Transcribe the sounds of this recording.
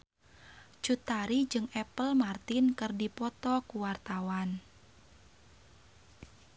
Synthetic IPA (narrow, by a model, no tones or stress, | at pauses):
t͡ʃut̪aɾid͡ʒɨŋɛpəlmart̪inkɨrdipɔt̪ɔkuwart̪awan